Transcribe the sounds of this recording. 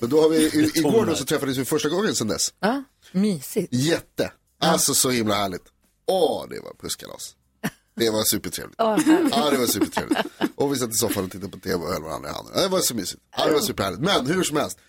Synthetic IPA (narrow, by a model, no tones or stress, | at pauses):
mɛnd̪ɔhaɾvɪɪɡoːɖɔsɔt̪ʰɾɛfːad̪əs̬vɪfœʂʈaɡɔŋːənsɛnd̪ɛ̰s | myːsɪjɛt̪ːə | alsɔsɔhɪmlahæːɭɪt̪ | ɔd̪ɛ̰va̰ɾpʰɵskʰa̰lɔ̰s | d̪̥ɛvasʉ̟ːpəʈʰɾḛːvlɪtɑːd̪ɛvasʉ̟ːpəʈʰɾḛvlt̪ʔɔvɪsat̪ːɪsɔfalat̪ʰːɪt̪ːapʰɔt̪ʰeːvɛɔhɛlvaɾa̰nd̪ɾa̰ha̰nd̪ɾa̰d̪ɛvasɔmyːsɪt̪ɑd̪ɛvasʉ̟pːəɾhæːɭɪt̪mɛnhʉʂɔmhɛlst̪